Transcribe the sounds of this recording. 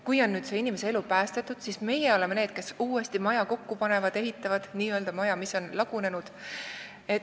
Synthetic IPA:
kujo̞nːyːd̪se̞inimese̞elupæːst̪et̪ːˑud̪̥sisme̞jeo̞le̞mene̞ːd̪̥̚ke̞suːest̪imɑjɑko̞kːupɑne̞vɑd̪e̞ɦit̪ːˑɑvɑd̪̥niːø̞ld̪ɑmɑjɑmisːo̞nlɑɡ̥une̞nud̪̥ | et̪

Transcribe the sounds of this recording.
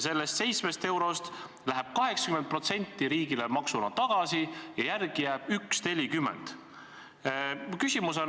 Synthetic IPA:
se̞lːest̪se̞jt̪smest̪e̞wɾo̞st̪ | læɦɛb̥̚kɑɦe̞ksɑ̥kymen̚pro̞t̪se̞nʲt̪ːiɾiːɡ̥ilemɑksumɑt̪ɑɡ̥ɑsijɑjærɡ̥ijæːb̥yksne̞lʲikymːḛnd̪̥ | kysʲimusen

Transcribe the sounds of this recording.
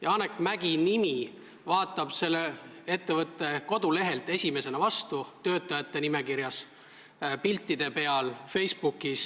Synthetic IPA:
jɑɑnekmæɡ̥inimi | vɑːt̪ːˑɑb̥se̞lːee̞t̪ːe̞vɤt̪ːˑe̞ko̞d̪̥ule̞ɦe̞lt̪ːˑe̞sʲime̞se̞nɑvɑst̪ut̪ø̞ːt̪ːˑɑjɑt̪ːe̞nime̞kiɾjɑs | pilt̪ːˑid̪̥e̞pe̞ɑlfe̞jsb̥ukːis

